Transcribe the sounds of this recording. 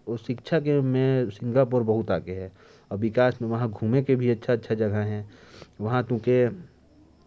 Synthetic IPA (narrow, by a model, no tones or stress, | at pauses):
ʊʃɪkt͡ʃʰakemẽsɪ̃ŋɡap̬ɔɾbɐɦʊt̪aːkeɦɛː | ɔːɾʋɪkaːsmẽʋɐɦãɡʱuːmekebʱiətːʃʰaətːʃʰad͡ʒɐɡʱaɦɛ̃ | ʋɐɦãt̪ʊ̃ke